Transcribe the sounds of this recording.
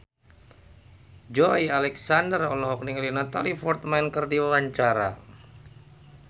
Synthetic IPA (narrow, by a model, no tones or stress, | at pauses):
d͡ʒɔialɛksandərɔlɔɦɔk̚niŋlinat̪a̰lifɔrt̪mɛnkərdiwawaɲt͡ʃaɾa̰